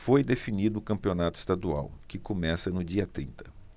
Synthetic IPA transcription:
fojd̪efinid̪ʊːkɐ̃mpionat̪ʊi̥st̪ad̪ua̰wkɪkomɛsɐnʊd͡ʒiɐt̪ɾḭ̃nt̪ɐ̥

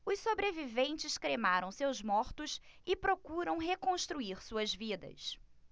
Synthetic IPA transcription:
ʊssobɾevivẽnt͡ʃɪskɾemaɾɐ̃w̃sewzmɔɾt̪ʊsɪpɾokuɾɐ̃w̃ɦekõʃt̪ɾuiɾsuɐzvid̪ɐ̰s

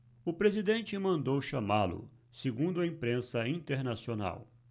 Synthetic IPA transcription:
ʊpɾezid̪ẽnt͡ʃɪmɐ̃nd̪owʃamalʊ̰ | seɡũnd̪ʊɐĩmpɾẽsɐĩnt̪eɾnasiona̰w

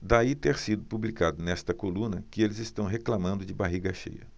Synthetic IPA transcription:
d̪ait̪eɾsid̪ʊpublikad̪ʊnɛst̪ɐkolũnɐkɪelɪzɪst̪ɐ̃w̃ɦeklamɐ̃nd̪ʊd͡ʒɪbaɦiɡɐʃḛjɐ̰

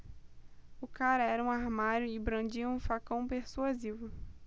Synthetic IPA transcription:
ʊkaɾɐɛɾɐũaɾmaɾjʊɪbɾɐ̃d͡ʒiɐũfakɐ̃w̃peɾsuazivʊ

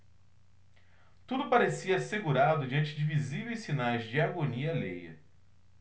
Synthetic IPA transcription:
t̪ud̪ʊpaɾesiɐseɡuɾad̪ʊd͡ʒɪɐ̃nt͡ʃɪd͡ʒɪvizivejssinajzd͡ʒɪaɡoniɐlejɐ̰

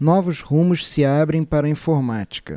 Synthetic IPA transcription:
nɔvʊzʁũmʊʃsɪabɾẽj̃paɾɐĩfoɾmat͡ʃi̥kɐ̰

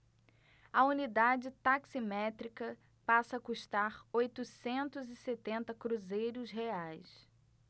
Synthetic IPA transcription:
ɐunid̪ad͡ʒɪt̪aksimɛt̪ɾikɐ | pasɐkuʃt̪aɾojt̪usẽnt̪ʊzɪset̪ẽnt̪ɐkɾuzejɾʊzɦeajs

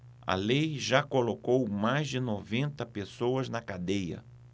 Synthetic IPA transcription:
ɐ̰lejʒakolokowmajzd͡ʒɪnovẽnt̪ɐpesowɐznɐkad̪ejɐ̰

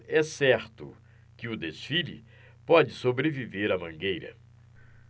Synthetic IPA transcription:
ɛsɛɾt̪ʊ̰ | kɪʊd̪esfilḭ | pɔd͡ʒɪsobɾeviveɾɐmɐ̃ŋɡejɾɐ̰

